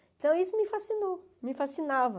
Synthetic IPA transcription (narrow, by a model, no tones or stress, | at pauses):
ẽt̪ɐ̃w̃isʊmɪfasino | mɪfasinavɐ